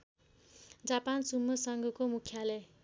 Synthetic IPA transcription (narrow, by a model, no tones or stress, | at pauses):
d͡zapansumːʌsʌŋɡʌkomukʰːjalʌ